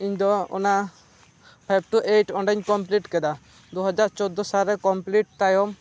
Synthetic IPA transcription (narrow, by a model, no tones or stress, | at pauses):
iɲd̪ɔɔ̰na | pʰajb̚ʈuʔeʈɔnɖaɲkɔmpliʈkɛd̪a | d̪uɦɔd͡ʒaɾt͡ʃɔd̪ːɔsalɾɛkɔmpliʈ̚t̪ajɔm